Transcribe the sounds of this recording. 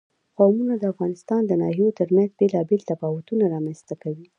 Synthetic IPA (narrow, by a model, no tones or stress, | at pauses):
qamunad̪əafɣɑnɪst̪ɑnd̪ənɑ̰hijot̪əɾmanzbelɑbelt̪afɑwat̪unaɾɑmanst̪akawi